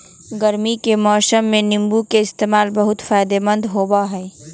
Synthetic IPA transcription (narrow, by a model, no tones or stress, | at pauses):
ɡɐɾmikemɔːsəmːẽnɪ̃mbukeɪst̪eːmaːlbɐɦʊt̪faːjd̪emə̃nd̪ɦoːbaɦɛː